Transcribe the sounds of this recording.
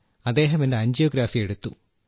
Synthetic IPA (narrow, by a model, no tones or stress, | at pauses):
ɐd̪ːe̞ːɦɐmendeɐɲd͡ʑjoːɡɾaːfije̞ɽut̪ːu